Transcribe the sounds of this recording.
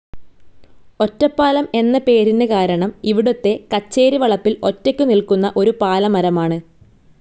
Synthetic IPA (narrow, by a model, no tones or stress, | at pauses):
o̞tːɐpːaːlɐme̞nːɐpe̞ːɾinːɨkaːɾɐɳɐmiʋiɽot̪ːe̞kɐt͡ɕːe̞ːɾiʋɐɭɐpːilo̞tːekʲːunilkunːɐʔo̞ɾupaːlɐmɐɾɐmaːɳɨ